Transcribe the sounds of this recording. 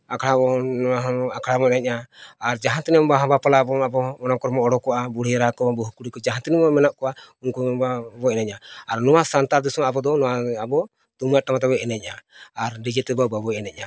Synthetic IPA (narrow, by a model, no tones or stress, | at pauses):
akʰɽabɔɔaɦɔakʰɽamɔɛnɛc̚aːɾd͡ʒaɦant̪ɛnɛmɔbaɦɔ̃bapalabɔmabɔɔnakɔɾmɔɔɽɔkɔʔabuɽɛɾakɔabɔɦukuɽikɔd͡ʒaɦant̪ɛnɛbmɛnaʔkɔwaunkubabɔɛnɛc̚aaɾnɔwasant̪aɾd̪isɔmabɔd̪ɔnɔwaabɔ | t̪umjaʔʈamat̪̬abɔɛnɛc̚ˀaaɾɖid͡ʒɛt̪ɛbababɔɛnɛc̚a